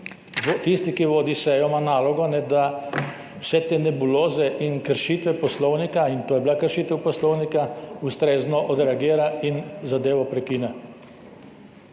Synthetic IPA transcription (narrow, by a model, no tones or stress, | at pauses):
t̪ist̪ikiʋoːd̪isɛjɔmanaːlɔɡɔnɛd̪a | wsɛt̪eːnɛbuloːzɛʔinkəɾʃiːt̪ʋɛpɔslɔwnikaint̪oːjɛbilakəɾʃiːt̪ɛwpɔslɔwnikaust̪ɾeːznɔʔɔd̪ɾɛaɡiːɾainzad̪eːʋɔpɾɛkiːnɛ